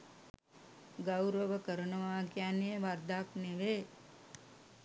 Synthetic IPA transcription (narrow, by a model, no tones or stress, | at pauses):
ɡawɾəʋəkəɾənɐʋaːkjaneʋaɾd̪ʱaːkneʋeː